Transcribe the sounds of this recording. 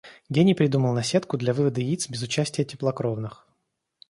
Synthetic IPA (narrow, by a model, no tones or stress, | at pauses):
ɡʲenʲɪpɾʲɪd̪uməlˠnɐsʲet̪kʊd̪lʲɐvɨvəd̪əit̪sbʲɪzʊt͡ɕæsʲtʲɪjətʲɪplˠɐkɾovnɨx